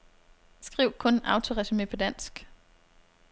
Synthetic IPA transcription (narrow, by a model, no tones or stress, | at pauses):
sɡ̥ʁiʊ̰kʰɔ̽nɑ̈ʊt͡sʰo̝ʁɛsyme̝̰pʰɒ̽d̥æn̰sɡ̥